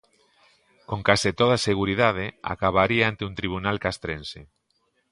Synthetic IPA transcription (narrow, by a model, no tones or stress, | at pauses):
kõŋkaset̪oð̞aseɣ̞uɾiðaðea̰kaβaɾiaant̪eunt̪ɾiβ̞unalkast̪ɾense